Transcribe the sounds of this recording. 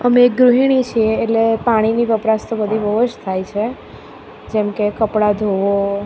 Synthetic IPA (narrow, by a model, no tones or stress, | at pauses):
əmeːk̚ɡɾuɦiɽ̃it͡ʃʰieːʈlepaɽ̃iniʋəpɾast̪obəd̪ʱibʱəɦod͡ʒt̪ʰajt͡ʃʰe | d͡ʒɛmkekəpɽad̪ʱoʋo